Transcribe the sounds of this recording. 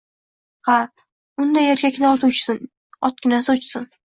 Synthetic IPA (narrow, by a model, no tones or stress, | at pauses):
ha | ʊnd̪ajeɾkʲakʲnaɒt̪ʊt͡ʃsɪn | ɒt̪̚kʲɪnasʊt͡ʃsɪn